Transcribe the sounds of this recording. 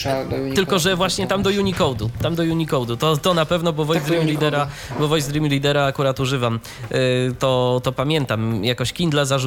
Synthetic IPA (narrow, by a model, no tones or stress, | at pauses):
t̪ɘlkɔʐɛvwaɕɲɛt̪amd̪ɔjuɲikɔwd̪ut̪amd̪ɔjuɲikɔwd̪ut̪ɔt̪ɔnapɛvnɔbɔvɔjzd̪ɾimʲilʲid̪ɛɾabɔvɔjzd̪ɾimʲulʲid̪ɛɾaːkuɾat̪uʐɘvam | t̪ɔt̪ɔpamʲjɛnt̪amjakɔɕkʲind̪lazaʐ